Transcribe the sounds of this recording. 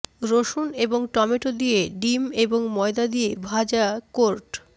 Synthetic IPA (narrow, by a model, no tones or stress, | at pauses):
ɾoʃuneboŋʈɔmeʈod̪ijeɖimeboŋmɔed̪ad̪iebʱad͡ʑakoɾʈ